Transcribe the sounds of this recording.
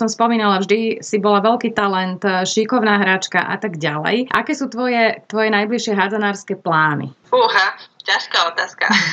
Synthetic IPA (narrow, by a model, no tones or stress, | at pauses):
sɔmspɔmiːnalavʒd̪isibɔlaʋɛlkiːt̪alɛnt̪ʃikɔʊnaːɦɾat͡ʃka̰ʔa̰t̪aɡɟalɛ̰jʔa̰kɛːsuːt̪ʋɔjɛt̪ʋɔjɛnajbliʃɪɛɦad͡zanaːɾskɛːplaːnḭ | uɦacaʃkaɔt̪aːska̰